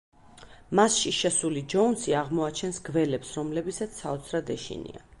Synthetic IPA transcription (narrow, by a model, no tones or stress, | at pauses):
masʃiʃɛsulid͡ʒɔunsiaʁmɔat͡ʃʰɛnsɡvɛlɛpsɾɔmlɛbisat̪sʰaɔt̪sʰɾad̪ɛʃḭnḭa